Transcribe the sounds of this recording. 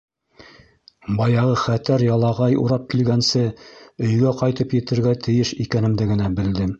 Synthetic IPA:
bɑjɑʁɤχæt̪æɾjɑlˠɑʁɑjṵɾɑp̚kilɡænsɘɵ̆jɡæqɑjt̪ɤpjɘ̆t̪ɘ̆ɾɡæt̪ʰɘ̆jɘʃikænɘ̆md̪ɘɡɘ̆næbɘ̆ld̪ɘm

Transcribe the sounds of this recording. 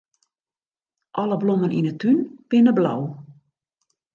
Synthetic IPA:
ʔɔləbloməninətʰynpɪnəbla̰w

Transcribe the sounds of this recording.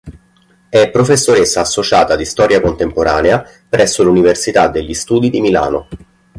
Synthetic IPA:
ɛpːɾofesːoɾesːaːsːot͡ʃaːt̪ad̪ist̪ɔːɾjakont̪empoɾʔaːnea | pɾʔɛsːoluniversit̪ad̪ːeʎːist̪uːd̪id̪imila̰ːno

